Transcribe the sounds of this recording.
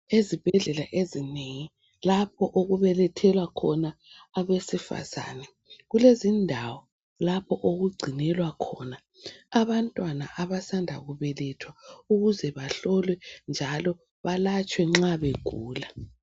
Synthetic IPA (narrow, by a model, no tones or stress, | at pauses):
ezib̥ʱɛɮɛla̰ʔezineŋi | lapʰɔʔoɣuβɛlɛtʰɛlwakʰɔnaː | βesifa̰z̥a̰ːnɛ | ɣulezindʱawɔ | lapʰɔʔoɣuɡ͡ǀʱinɛlwakʰɔna | aβantʼwanaʔaβasandʱa̰ɣuβɛlɛtʰwauɣuzɛβaɬɔlwɛnd͡ʒʱalɔ | βalat͡ʃʼwɛŋ͡ǁaβeɡ̥ʱuːla